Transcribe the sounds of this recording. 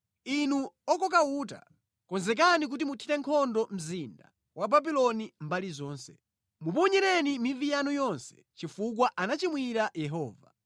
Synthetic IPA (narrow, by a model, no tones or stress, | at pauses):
inuɔkɔk̬auːta̰ | kɔnzɛk̬anik̬utimutʰitɛŋkʰɔndɔm̩zinda̰ | wʔababilɔnimbalizɔːnsɛ | mupɔɲɛɾɛnimivijanujɔnsɛ̥ | t͡ʃifuk̬waʔanat͡ʃimwiɾajɛɦɔːva̰